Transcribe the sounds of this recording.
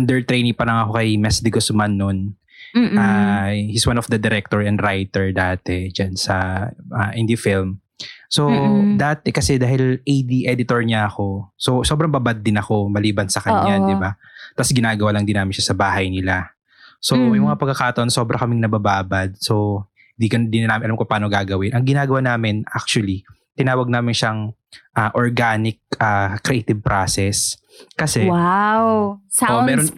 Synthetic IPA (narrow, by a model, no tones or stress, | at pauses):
ɐnd̪ɛɹt̪ɾejnɪpɐlɐŋɐko̞kɐjmɛsd̪ɪɡosmɐnːon | ʔahiswanɔfd̪ɐd̪ɛɾɛk̚t̪oɹɛnd̪ɾajt̪ɛɹd̪aːt̪ɛd͡ʒansɐʔɐʔɪnd̪ifilm | so̞d̪aːt̪ɛkɐsɛd̪aːhɪlʔejd̪iʔɛd̪ɪt̪oɹɲɐɐko̞so̞so̞ːbɾɐŋbabad̪̚ːɪnɐko̞mɐliːbɐnsɐkɐɲːad̪ɪbat̪ɐsɡɪnaːɡɐwaːlɐŋd̪ɪnaːmɪnʃasɐbaːɦɐjnɪla | so̞jʊmɐŋapɐkːɐkaːt̪ɐʔo̞nso̞bɾʔɐkɐmɪŋnɐbɐbaːbɐd̪̚so̞ | hɪnd̪iːkɐnd̪inɐnaːmɪʔɐlamkopaːnoɡaːɡɐwɪnʔɐŋɡɪnaːɡɐwanaːmɪnʔa̰k̚t͡ʃuɐli | t̪ɪnaːwɐɡ̚naːmɪnʃɐŋ | ʔaʔoɹɡaːnɪk̚ʔakɾɛʔet̪ɪb̚pɾʔaːsɛs | kɐsɛwawʔoʔmɛːɾo